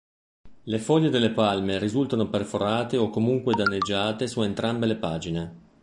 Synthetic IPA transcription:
lefɔʎːed̪elːepalmerizult̪anoperfoɾaːt̪eokːomuŋkwed̪anːed͡ʒːaːt̪esuent̪ɾambelepaːd͡ʒine

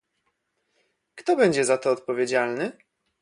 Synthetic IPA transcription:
kt̪ɔbɛɲd͡ʑɛzat̪ɔːt̪̚pɔvʲjed͡ʑalnɘ

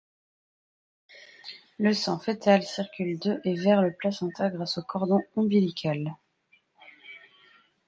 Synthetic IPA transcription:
ləsɑ̃fet̪alsiʁkʲyld̪øʔevɛʁləplasɑ̃t̪aɡʁasokʰɔʁd̪ɔ̃ɔ̃bilikʲʰal

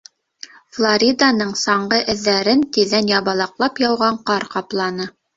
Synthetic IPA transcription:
flˠoɾʲid̪anɤɴsɑɴɢɤʔɘ̆ðːæɾɘnt̪iðænjɑβɑlˠɑqlˠɑpjɑwʁɑɴqɑɾqɑplˠɑnɤ

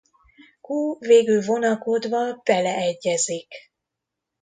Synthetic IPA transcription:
kuːveːɡylvo̞nɒko̞d̪vɒb̥ɛlɛːɟːɛzik

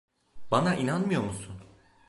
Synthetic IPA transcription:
banaʔinanmɯjo̞musun

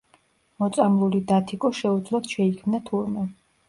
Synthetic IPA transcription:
mɔt̪sʼamlˠulid̪at̪ʰikʼɔʃɛud̪zlˠad̪̥ʃɛikʰmnat̪ʰuɾma

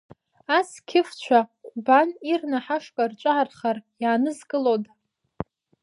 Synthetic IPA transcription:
askʲʰɪft͡ɕʷʰaqʷʼbanirnaħaʂkʼart͡ʃʷʼaʕarχarjaːnɨzkʼɨlotʼ

